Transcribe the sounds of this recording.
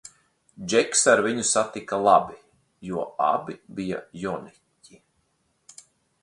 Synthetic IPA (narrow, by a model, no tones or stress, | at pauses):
d͡ʒɛksaɾviɲusat̪ikalˠabi | juɔa̰bibija̰jɔni | cʲi